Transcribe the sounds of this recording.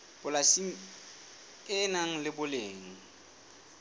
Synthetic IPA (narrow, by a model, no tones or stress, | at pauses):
b̥ʊlasiŋ̩ | ɪnaŋ̩lɪbʊleːŋ̩